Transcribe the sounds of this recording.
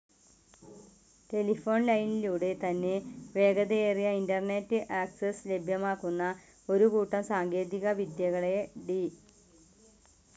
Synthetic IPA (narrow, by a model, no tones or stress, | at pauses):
te̞lifo̞ːɳlɐjniluːɽe̞t̪ɐnːe̞ʋe̞ːɡɐðɐeːrijɐindɐrnetːɨʔaːksesle̞bʱjɐmaːkːunːɐ | o̞ɾukuːʈːɐmsaːŋɡe̞ːðiɣɐʋid̪jɐɣɐɭe̞ɖi